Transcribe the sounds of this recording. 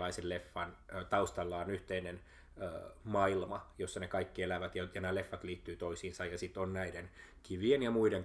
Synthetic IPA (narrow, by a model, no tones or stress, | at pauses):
ɑisellefːɑnːt̪ɑust̪ɑlːɑːnyht̪einen | øːmɑilmɑjosːɑnekɑikːielæʋæt̪jɑjɑnæːlefːɑt̪liːt̪ːyːt̪oisiːnsɑjjɑsit̪ːonnæidenkiʋienjɑmuideŋ